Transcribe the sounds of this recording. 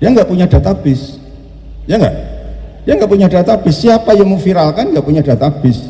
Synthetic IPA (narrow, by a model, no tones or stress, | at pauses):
d̥iaŋɡaʔpuɲadat̪abɪs | jaŋɡa̰ʔd̥iaŋɡaʔpuɲadat̪ab̥ɪsːiapajaŋməfiɾalkanŋɡaʔpuɲad̥at̪ab̥ɪs